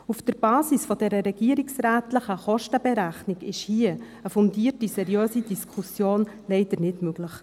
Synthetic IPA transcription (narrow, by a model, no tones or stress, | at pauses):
ufd̥əɾbɑːsisfɔd̥ɛɾəɾɛɡ̥iəɾɪksɾæːtləχəχɔʃtəbɛɾæχnɪɡɪʃhiə | əfundiːəɾtisɛɾjøːsid̥iskʰusjoːn | lɛɪd̥̪əɾnɪtmøɡ̥ləχ